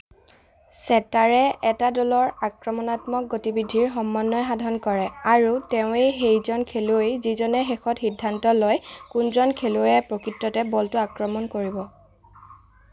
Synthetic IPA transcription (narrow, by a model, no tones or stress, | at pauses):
sɛtaɹɛʔɛtadɔlɔɹakɹɔmɔnatmɔk̚ɡotibidʱiɹɦɔmːanːɔjɦadʱɔnkɔɹɛaɹuteʊ̃ejɦejzɔnkʰeluejzizɔnɛxexɔtxidʱːantɔlɔjkunzɔnkʰeluɛpɹokɹitːɔtɛbɔltʊakɹɔmɔnkoɹibɔ